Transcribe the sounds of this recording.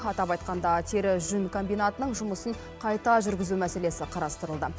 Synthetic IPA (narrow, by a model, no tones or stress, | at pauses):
ɑt̪ɑpɑjt̪̚qɑnd̪ɑt̪ʰe̞ɾɪʒʏnkʰombijnat̪ənəɴʒʊməsəɴ | qʰɑjt̪ɑʒʏɾɡʲɪzumæse̞le̞sɪqʰɑɾɑst̪əɾəlˠd̪ə